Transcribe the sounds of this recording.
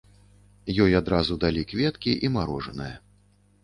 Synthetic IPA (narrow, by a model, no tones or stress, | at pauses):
jɔjad̪ɾazud̪alʲikvʲɛt̪kʲiʔimaɾɔʐɐnɨjɐ